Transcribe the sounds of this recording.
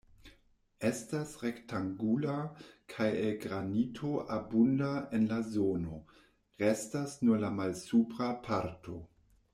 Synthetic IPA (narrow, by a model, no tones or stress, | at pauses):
estasʁektaŋɡulakʰajelɡɾanitʰo̞ʔabundaenlazono̞ | ʁestasnuɾlamalsupɾapʰaɾtʰo̞